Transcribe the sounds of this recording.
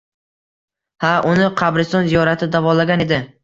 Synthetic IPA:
haʔʊnɪqʰɑbɾɪst̪ɒnzijɒɾat̪ʰɪd̪avɒlaɡʲane̞d̪ɪ

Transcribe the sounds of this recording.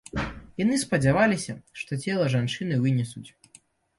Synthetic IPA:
janɨspɐd͡zʲavalʲisʲɐʂt̪ɔt͡sʲɛlˠɐʐant͡ʂɨnɨvɨnʲɛsut͡sʲ

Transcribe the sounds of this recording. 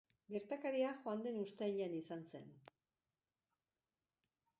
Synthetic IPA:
ɡe̞ɾt̪akaɾiaxoand̪e̞nust̪eʎanisanse̞̰n

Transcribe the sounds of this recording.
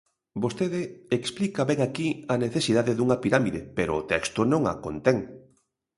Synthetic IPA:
bost̪eðɪeksplikɐβɛŋakiɐneθesiðaðeðuŋɐpiɾamiðepeɾoːt̪ɛkst̪ʊnõŋa̰kont̪ɛŋ

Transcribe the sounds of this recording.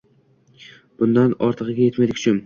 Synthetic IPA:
b̥ʊnd̪anɒɾt̪ʰɨʁɨɡʲaje̞t̪mad̪ɪkʰʲʊ̥t͡ʃʰʊn

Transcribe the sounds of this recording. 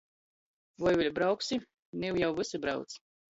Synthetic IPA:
vɔjvilʲbɾawksi | niwjawvɨsabɾa̰wt̪s

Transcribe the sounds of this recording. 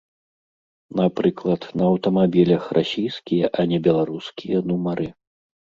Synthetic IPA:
napɾɨklˠɐt̪nɐɐwt̪ɐmabʲilʲɐxrasʲijskʲijɐʔɐnʲɛbʲɛlˠaɾuskʲijɐnumɐɾʔɨ

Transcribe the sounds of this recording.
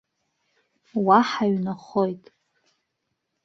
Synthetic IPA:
waħaɥnaχojtʼ

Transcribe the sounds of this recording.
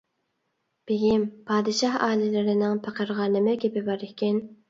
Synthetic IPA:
b̥eɡʲimpʰɑːd̪ɨʃɑhɑːlɪlɪɾɪnɪŋpʰæqəɾʁɑːnɨmɪkʲʰepɪbɑɾɪhkʲʰɛn

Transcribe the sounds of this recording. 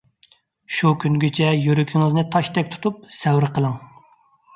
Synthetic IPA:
ʃukʲʰynɡʲet͡ʃʰɛjyɾykʲʰiŋɨznɨt̪ʰɑʃt̪ʰɛk̚ʲt̪ʰu̥t̪ʰup̚sɛwɾɨqʰəlˠəŋ

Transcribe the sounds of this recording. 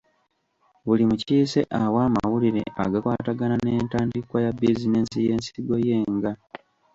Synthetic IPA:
βulimuciːse̞̰ʔawaːma̰wuliɾe̞̰ʔa̰ɡakwaːtaɡananeːntaːndikwajabizine̞nsije̞ːnsiɡoje̞ːŋɡa

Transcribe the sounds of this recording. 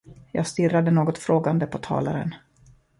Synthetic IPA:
jɑ̰ːɡst̪ɪrːad̪ənoːɡɔt̪fɾoːɡand̪əpʰɔt̪ʰɑ̰ːla̰ɾə̰n

